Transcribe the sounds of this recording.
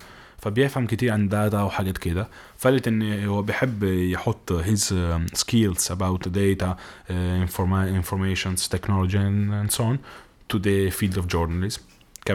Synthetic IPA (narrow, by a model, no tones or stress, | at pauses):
fæbjɪfhæmkɪt̪iːɾʕand̪aːt̪awħaɡæːt̪kɪd̪æ | fælːɪt̪ʔɪnːhʊwːæbjħɪbːjħot̪ˤːɦɪzskiːlsʔabawt̪d̪eːt̪aɪfɪnfɔɾmeːʃʊnzt̪eknɔlod͡ʒiænsoʔn | t̪ud̪əfiːld̪ɔfd͡ʒoɾnalɪzm | kæ